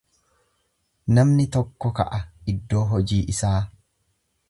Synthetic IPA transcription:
nɐmnɪt̪ɔkːɔkɐ̰ʔɐɪd̪ːo̞ːɦɔd͡ʒiːʔɪsaː

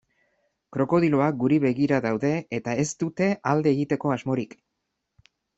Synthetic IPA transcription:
kɾo̞ko̞ðilo̞ak̚ɡuɾiβe̞ɣiɾaðawðe̞et̪ae̞st̪ut̪e̞ʔald̪e̞ːɣit̪e̞ko̞azmo̞ɾik

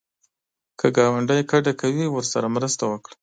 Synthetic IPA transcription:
kʰəɡɑwaɳɖajkaɖakʰawiwəɾsaɾamɾəst̪awəkɽa

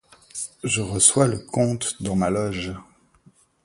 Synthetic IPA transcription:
ʒəʁəswaləkɔ̃t̪d̪ɑ̃malɔʒ

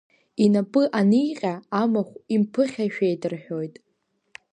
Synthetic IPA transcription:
inapʼɨʔanijqʲʼaamaχʷimpʰɨχʲaʃᶣejdɨrħᶣo̞jtʼ

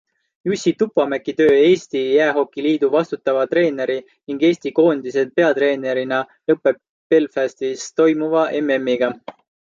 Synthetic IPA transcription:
jusʲit̪upːɑmækːˑit̪ø̞ːe̞ːsʲt̪ijæːɦo̞kːˑiliːd̪̥uvɑst̪ut̪ːˑɑvɑt̪ɾe̞ːne̞ɾi | niŋɡe̞ːst̪iko̞ːnd̪̥is̬e̞d̪̚pe̞ɑt̪re̞ːne̞ɾinɑ | lɤpːˑe̞bːe̞lfæst̪ist̪o̞jmuvɑʔe̞me̞mːiɡ̥ɑ

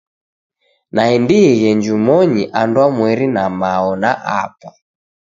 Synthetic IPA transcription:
naindiiɣɛɲd͡ʒumɔɲiʔandwamwɛɾinamaɔnaʔa̰pɔ

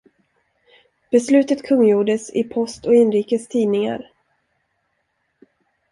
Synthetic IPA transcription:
b̥ɛslʉ̟ːt̪ət̪kʰɵŋːjuːɖəsɪ̰pʰɔst̪ɔɪnɾiːkəst̪ʰiːnɪŋa̰ɾ

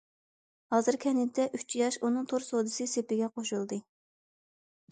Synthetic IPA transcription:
hɑːzɨɾkʲʰɛnɪt̪ʰːɛʔyt͡ʃjɑʃunɨŋt̪ʰoɾsod̪ɨsɨsepɪɡʲɛqoʃulˠd̪ɨ

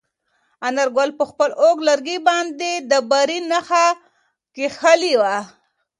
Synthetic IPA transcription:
anaɾɡolpəxpəloɡlaɾɡibɑnd̪ed̪əbaɾinaxa | kexaliwa

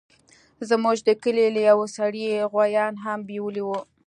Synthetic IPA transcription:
zmuʒd̪əkəlelajawosaɽiɣwajɑnɦambiwəliwu

